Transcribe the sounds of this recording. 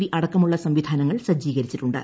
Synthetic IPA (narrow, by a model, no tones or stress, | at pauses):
ɾiʔɐɽɐkːɐmuɭːɐsɐmʋid̪ʱaːnɐŋːɐɭsɐd͡ʑːiːɣɐɾit͡ɕːiʈːuɳɖɨ̰